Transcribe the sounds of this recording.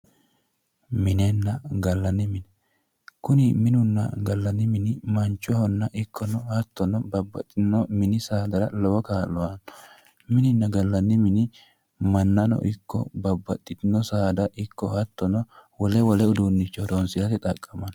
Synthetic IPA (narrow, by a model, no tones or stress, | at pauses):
mɪnɛnːɐɡɐlːɐnːɪmɪnɛ | kʊnɪmɪnʊnːɐ̰ɡɐlːɐnːɪmɪnɪmɐnt͡ʃʼːɔhɔnːɐʔɪkːɔnɔhɐt̪ːɔnɔbɐbːɐ̰t̪ʼːɪnːɔmɪnɪsaːd̪ɐɾɐlɔwɔkaːlɔwɐnɔ̥ | mɪnɪnːɐɡɐlːɐnːɪmɪnɪ | mɐnːɐnɔ̰ʔɪkːɔ̰bɐbːɐt̪ʼːɪt̪ɪnːɔsaːd̪ɐʔɪkːɔhɐt̪ːɔnɔwɔlɛwɔlɛʊd̪unːɪt͡ʃːɔd̪onsɪlɐt̪ɪt̪ʼɐkʼːɐmɐn